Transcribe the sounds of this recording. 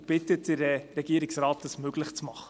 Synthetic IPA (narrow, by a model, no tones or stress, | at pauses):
b̥ɪtətɪɾəɾɛɡ̥iːəɾɪksrɑːtəsmøɡ̥lɪχt͡smɑχə̥